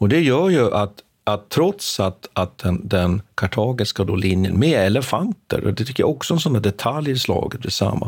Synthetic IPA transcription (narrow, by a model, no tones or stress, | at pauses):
ɔd̪ɛjœːɾjɵʔat̪ | at̪ʰːɾɔt̪sat̪at̪̚d̪ɛnd̪ɛnkʰaʈʰɑːɡɪskad̪olɪnjə̰nmɛɛlɛfant̪ə̰ɾɔ̰d̪ɛt̪ʰʏkːəja̰ɔksɔɛnsɔnd̪æɖ̪ɛt̪ʰaljslɑ̰ːɡət̪b̪ɪ̰sa̰mːa̰